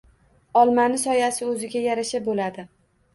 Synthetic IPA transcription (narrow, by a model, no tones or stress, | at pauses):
ɒlˠmanɪsɒjasɪɵzɪɡʲajaɾaʃabolad̪ɪ